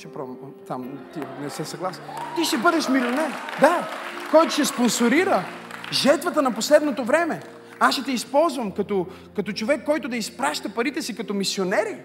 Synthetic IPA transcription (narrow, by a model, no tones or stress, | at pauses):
ʃɛpɾɔmt̪amt̪inɛsɛsɐɡlˠast̪iʃt̪ɛbɤd̪ɛʃmilʲionɛɾd̪akɔjt̪ʊʃɛsponsoɾiɾəʒɛɾt̪vɐt̪ənɐposlɛd̪not̪ovɾɛmɛ | asʃɛt̪ɛispɔlˠzvɐmkɐt̪ɔ | kɐt̪ot͡ʃovɛkːɔjt̪ʊd̪ɐispɾaʃt̪əpɐɾit̪ɛsikɐt̪ɔmisionɛɾi